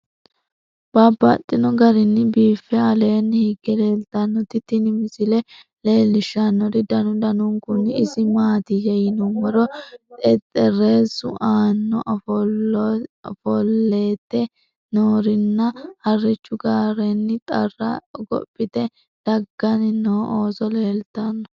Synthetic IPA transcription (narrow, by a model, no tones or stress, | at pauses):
b̥abːɐt̪ʼːɪnɔɡɐɾɪnːɪbiːfːɛɐle̞ːnːhɪɡːɛle̞ːlt̪ɐnːɔt̪ɪt̪ːɪnɪmɪsɪlɛ | le̞ːlːɪʃːɐnːɔɾɪd̪ɐnʊd̪ɐnʊŋkʊnɪɪsɪmaːt̪ɪjɐjɪnɔmɔɾɔt̪ʼɛt̪ʼːɛreːsʊ̰ʔaːnːɔʔɐf | fɔlːeːt̪ːɛ | noːɾɪnːɐhɐrːɪt͡ʃːʊɡaːɾɛnːɪt̪ʼɐrːɐ̰ɡɔ̰pʼːɪt̪ɛ | d̪̥ɐɡːɐnɪnoːʔoːsɔle̞ːlt̪ɐnːɔ